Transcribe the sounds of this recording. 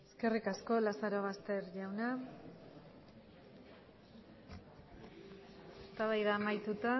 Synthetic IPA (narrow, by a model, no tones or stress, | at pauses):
eske̞rikasko̞lasaɾo̞ɣ̞ast̪e̞ɾʝawna | est̪aβajðaːmajt̪ut̪a